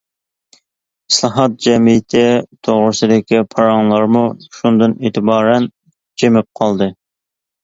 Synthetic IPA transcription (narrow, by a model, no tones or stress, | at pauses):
islˠɑɦɑt̪̚d͡ʒɛmijɪt̪ʰɪt̪ʰoʁɾɨsɪd̪ɪkʲipʰɑɾɑŋlˠɑɾmuʃund̪ɨneːt̪ʰɪbɑːɾɛn | d͡ʒemɪp̚qʰɑlˠd̪ɨ